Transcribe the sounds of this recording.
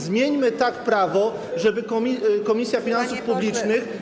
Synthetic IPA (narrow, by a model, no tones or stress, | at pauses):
zmʲjeɲmɘt̪akpɾavɔ | ʐɛbɘkɔikɔmʲisʲjafʲinansufpublʲit͡ʂnɘx